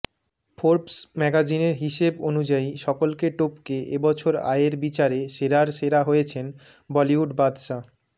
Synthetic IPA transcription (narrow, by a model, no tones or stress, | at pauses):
pʰoɾpsmɛɡad͡ʑineɾɦiʃebonud͡ʑaiʃɔkolkeʈopkeḛbɔt͡ɕʰoɾa̰eɾbit͡ɕaɾeʃeɾaɾʃeɾaɦojet͡ɕʰenbɔliuɖbad̪ʃa